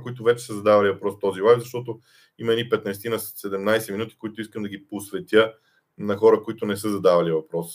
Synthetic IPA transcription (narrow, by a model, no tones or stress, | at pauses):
koit̪ʊvɛt͡ʃɛ̥səzɐd̪avɐlivɐpɾɔst̪ɔzilˠajvzɐʃt̪ɔt̪o | imɐɛnipɛt̪nɐst̪inɐssɛd̪ɛmnajsɛminut̪i̥kʊit̪ʊiskəmd̪ɐɡiposvɛt̪ʲjə | nɐxɔɾəkʊit̪ʊnɛsɤzɐd̪avɐlivɐpɾɔs